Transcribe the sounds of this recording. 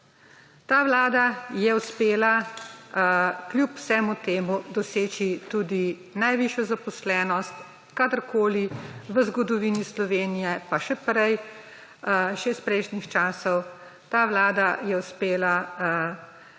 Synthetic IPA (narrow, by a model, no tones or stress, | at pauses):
t̪aːʋlaːd̪ajɛuspeːla | klʲjupw̥sɛmut̪eːmud̪ɔseːt͡ʃit̪uːd̪i | najʋiʃjɔzapɔslɛːnɔst̪ | kad̪əɾkʰoːliʋəzɡɔd̪ɔʋinislɔʋeːnijɛpaʃɛpɾɛj | ʃɛspɾɛjʃnixt͡ʃaːsɔw | t̪aːʋlaːd̪ajɛuspeːla